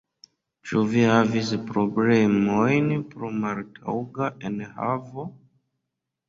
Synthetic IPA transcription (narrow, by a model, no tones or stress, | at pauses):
t͡ʃuvihavispɾoblemojnpɾomaɾtʰa̰wɡaʔenha̰vo